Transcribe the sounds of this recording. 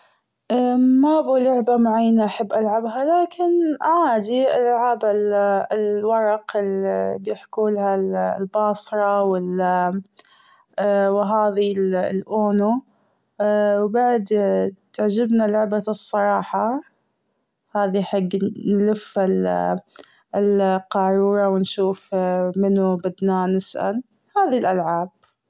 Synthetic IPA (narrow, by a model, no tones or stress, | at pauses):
ʔaːmabuːlʊʕbamaʕajːnaʔaħabːʔalʕabɦalaːkɪnʔaʕaːd̪iɪlɪlʕaːballwɑɾˤɑqɪlibjɪħkuːlhallbɑːsˤɾˤɑwɪl | wɦaːðillʔoːnu | wbaʕd̪t̪aʕd͡ʒɪbnalʊʕbaɨsˤːɑɾˤɑːħɑ | haːðiħaɡːnlɪfhal | lqɑːɾˤuːɾɑwɪnʃuːfmɪnubɪd̪nanɪsʔa̰l | haːðilʔalʕaːb̥̚